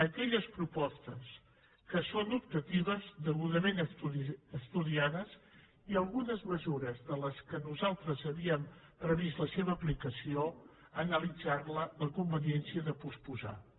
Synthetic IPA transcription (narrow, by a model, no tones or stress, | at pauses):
əkɛʎəspɾupɔst̪əs | kəsonup̚t̪ət̪iβəzðəɣuðəment̪uəst̪uðiaðəz | iəlˠɣunəzməzuɾəzðələskənuzalˠt̪ɾəzəβiəm | pɾəβist̪ləseβəːplikəsio | ənəlid͡zarlələkumbəniɛnsiəðəpuspuza̰